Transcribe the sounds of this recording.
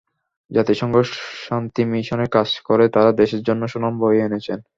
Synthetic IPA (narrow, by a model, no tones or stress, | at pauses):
d͡ʑat̪iʃɔŋɡoʃant̪imiʃonekad͡ʑkoɾet̪aɾad̪eʃeɾd͡ʑonːoʃonamboeenet͡ɕʰen